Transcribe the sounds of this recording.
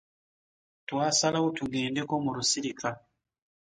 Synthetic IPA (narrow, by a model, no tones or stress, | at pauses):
twaːsalautuɡeːndekomuɾusiɾika